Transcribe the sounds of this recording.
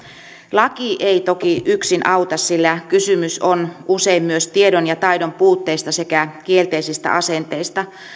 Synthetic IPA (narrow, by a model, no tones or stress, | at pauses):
lɑkiʔeit̪okiʔyksinʔɑwt̪ɑssilːækysymysonʔuseimmyøst̪iedonjɑt̪ɑjdompuːt̪ːeist̪ɑsekækielt̪eisist̪æ̰ʔɑsent̪eist̪ɑ